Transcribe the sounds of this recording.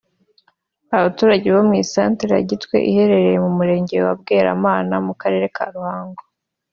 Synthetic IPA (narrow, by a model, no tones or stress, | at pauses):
aβatuːɾaɟe̞βamŋiːsaːnteɾa̰ɟitkwe̞̰ʔihe̞ɾe̞ɾejemumuɾe̞ːɲɟe̞wab̚ɡe̞ːɾa̰maːnamukaɾe̞ːɾe̞kʰa̰ɾuhaːŋɡo